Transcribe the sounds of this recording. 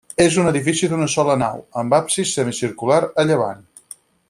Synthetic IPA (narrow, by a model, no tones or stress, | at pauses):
ezunəðifisiðunəsɔləna̰wəmbapsisəmisiɾkulaɾəʎəβ̞a̰n